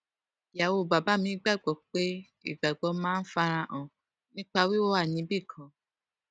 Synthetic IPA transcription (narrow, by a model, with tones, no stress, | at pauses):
ja˨wo˧˨ba˨ba˨˦mĩ˧˦ɡ͡ba˦˨ɡ͡bɔ˨k͡pe˦ | ḭ˦˨ɡ͡ba˨ɡ͡bɔ˨˧˦mãː˦n̩˦fa˧ɾ̃ã˧ʔɔ̃˨ | nĩ˦k͡pa˧wi˦wo˦wa˦˨nĩ˨˦bi˦˨kʰã˨˦